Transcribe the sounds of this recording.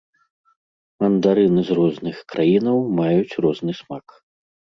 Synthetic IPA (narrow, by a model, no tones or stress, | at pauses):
mɐnd̪aɾɨnɨzrɔznɨxkɾʔajinɐwmajut͡sʲrɔznɨsmak